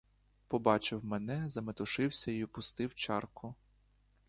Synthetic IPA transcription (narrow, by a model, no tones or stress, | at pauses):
pɔbɑt͡ʃɪwmɛnɛzɐmet̪ʊʃɪwsʲɐipʊst̪ɪwt͡ʃɑrkʊ